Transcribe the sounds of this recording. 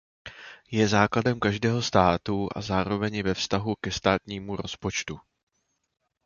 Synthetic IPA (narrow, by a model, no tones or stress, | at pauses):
jɛzaːkladɛmkaʒdɛːɦo̞st̪aːt̪uʔa̰zaːɾo̞vɛɲɪvɛfst̪aɦukɛst̪aːt̪ɲiːmuɾo̞spo̞t͡ʃt̪u